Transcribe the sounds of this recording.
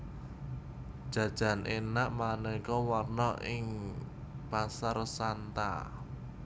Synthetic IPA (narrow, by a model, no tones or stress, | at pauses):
d̥ʒ̥ä̤d̥ʒ̥ä̤nʔenaʔmanɛikɔwarnɔʔɪŋ | pasarsant̪a̰